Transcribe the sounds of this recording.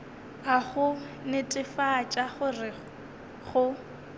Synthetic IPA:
aɣʊ | nɪtʼɪfat͡ʃʼaχʊrɪ | χʊ

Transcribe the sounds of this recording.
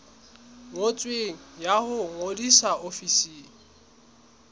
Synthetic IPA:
mot͡sʼweŋ̩jahʊŋodisaofisiːŋ̩

